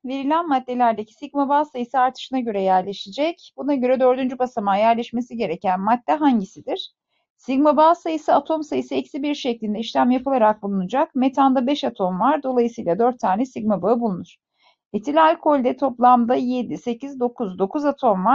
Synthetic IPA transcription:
ve̞ɾilʲænmad̪ːe̞lʲæɾd̪e̞cʰi̥siɡmabaːsajɯsɯaɾt̪ʰɯ̥ʃɯnaɟø̞ɾɛjæɾlʲe̞ʃid͡ʒɛcbunaɟø̞ɾɛd̪ø̞ɾd̪ynd͡ʒybasamajæɾlʲɛʃme̞siɟe̞ɾe̞cænmad̪̚ːɛɦaɲɟisid̪iɾ̥ | siɡmabaːsajɯsɯat̪ʰo̞msajɯsɯɛcsibiɾʃɛclʲind̪ɛiʃlʲæmjapʰɯlˠaɾak̚bulˠunud͡ʒakme̞t̪ʰand̪abɛʃat̪ʰo̞mvaɾd̪o̞lˠajɯsɯjlˠad̪øɾt̪ʰːaːnɛsiɡmabaɯbulˠunuɾ̥ | et̪ʰilʲalʲkʰo̞lʲd̪ɛt̪ʰo̞plˠamd̪aje̞d̪ise̞cizd̪o̞kʰuzd̪o̞kuzat̪ʰo̞mvaɾ̥

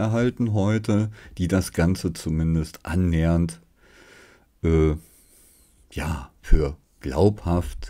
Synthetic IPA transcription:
ɛɐɦaltn̩ɦɔʏtəd̥iːdasɡ̥ant͡sət͡sumɪndəstʔa̰nːeːənt | ʔɛː | jaːfyːɐ | ɡ̥la̰ʊphaft

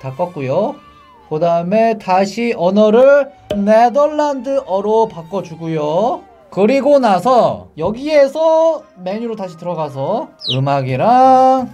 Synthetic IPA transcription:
tak͈ʌk̚k͈ujo | kɯdaɯme̞taɕʰiʔʌnʌɾɯɭ | nedʌɾːandɯʔʌɾopak͈ʌd͡ʑuɡujo | kɯɾiɡonasʰʌjʌɡie̞sʰʌme̞ɲuɾotaɕʰitɯɾʌɡas̬ʰʌɯmaɡiɾa

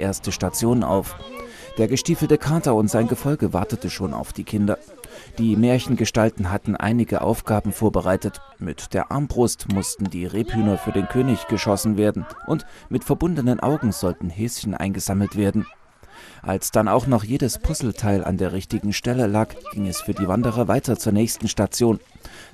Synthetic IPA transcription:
ʔeːɐstəʃtat͡sjoːnənʔa̰ʊf | d̥eːɐɡəʃtiːfl̩təkʰaːtɐʊntz̥aɪnɡəfɔlɡəvaɐtətəʃoːna̰ʊfd̥iːkʰɪndɐ | d̥iːmeːɐçn̩ɡəʃtaltn̩ɦatn̩ʔa̰ɪnɪɡəʔa̰ʊfɡ̥aːbm̩foːɐbəʁaɪtət | mɪtd̥eːɐʔa̰ɐmbʁʊstmʊstn̩diːʁeːphyːnɐfyːɐdeːnkʰøːnɪçɡ̥əʃɔsn̩veːɐdn̩ʔʊntmɪtfɛɐbʊndənənʔa̰ʊɡŋ̩z̥ɔltn̩hɛːsçənʔa̰ɪnɡəz̥aml̩tv̥eːɐdn̩ | ʔa̰lsd̥ana̰ʊxnɔχjeːdəspʰʊsl̩tʰaɪlʔa̰ndeːɐʁɪçtɪɡŋ̩ʃtɛləlaːkɡ̥ɪŋɛsfyːɐdiːvandəʁ̞ɐvaɪtɐt͡suːɐnɛːçstn̩ʃtat͡sjoːn

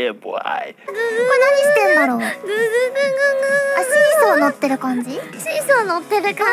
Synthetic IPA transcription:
eba̰ɪmonaɲ̟iɕi̥t̪ẽ̞nd̪aɾo̞ːɡɯɡɯaɕiĩsonot̪ːe̞ɾɯ̟kãɲ̟d͡ʑiɕĩsonot̪ːeɾɯ̟kã

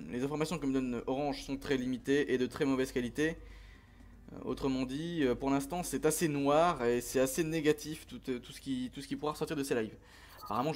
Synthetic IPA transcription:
lezɛ̃fɔʁmasjɔ̃kəməd̪ɔnʔɔʁɑ̃ʒsɔ̃t̪χɛlimit̪eʔed̪ət̪χɛmɔvɛzkalit̪e | o̰t̪χəmɑ̃d̪iøpuʁlɛ̃st̪ɑ̃sɛt̪asenwaʁesɛt̪aseneɡat̪ʰift̪ut̪t̪u̥sə̥kʲit̪usə̥kʲipuʁaʁəsɔʁt̪iʁd̪əselajv | apaʁamɑ̃

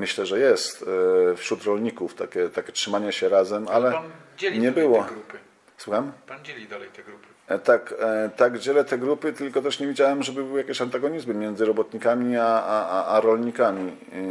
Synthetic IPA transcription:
mɘɕlɛʐɛjɛst̪fɕɾut̪ɾɔlɲikuft̪akʲɛt̪akʲɛtʂɘmaɲɛɕɛɾazɛmalɛɲɛbɘwɔɡ | swuxamiɾu | t̪akt̪aɡd͡ʑɛlɛt̪ɛɡɾupɘt̪ɘlkɔt̪ɛʂɲɛvʲid͡ʑawɛmʐɛbɘbɘwjakʲeɕant̪aɡɔɲizmɘmʲjɛnzɘɾɔbɔt̪ɲikamʲiaaaʔaɾɔlɲikamʲi

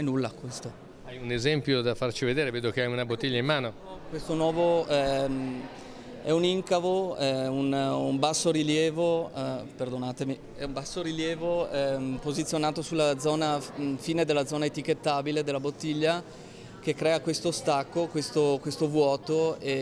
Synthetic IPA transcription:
ɛnulːakwest̪o | ajunezɛmpjod̪afart͡ʃived̪eːɾeveːd̪ok̟eajunabot̪ːiʎːaimːaːno | kwest̪onwɔːvoɛm | ɛuniŋkavoɛunumbasːoɾiljɛːvoɛperd̪onaːt̪emi | ɛ̰umbasːoɾiljɛːvoɛpozit̪sjonaːt̪osulːad̪zɔːnafiːned̪elːad̪zɔːnaet̪ik̟et̪ːaːbiled̪elːabot̪ːiʎːa | k̟ekːɾɛːakwest̪ost̪akːokwest̪okwest̪ovwɔːt̪oe

